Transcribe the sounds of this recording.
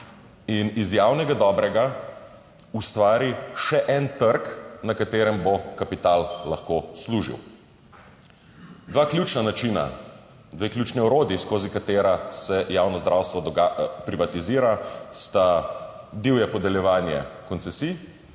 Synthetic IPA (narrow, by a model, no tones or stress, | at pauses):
inizjaːwnɛɡad̪ɔbɾɛɡa | ust̪ʋaːɾiʃɛʔɛnt̪əɾknakat̪eːɾɛmbokapit̪aːllaxkoːsluːʒḭw | d̪ʋaːklʲjuːt͡ʃnanat͡ʃiːna̰ | d̪ʋeːklʲut͡ʃnɛɔɾoːd̪jiskoːzikat̪eːɾasɛjaːwnɔzd̪ɾʔawst̪ʋɔd̪ɔɡapɾiʋat̪iziːɾast̪a | d̪iwjɛpɔd̪ɛljɛʋaːnjɛ̰kɔnt̪sɛsi